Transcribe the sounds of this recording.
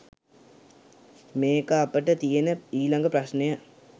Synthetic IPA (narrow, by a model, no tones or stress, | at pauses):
meːkəapəʈət̪ijenəiːlaŋɡəpɾasnejə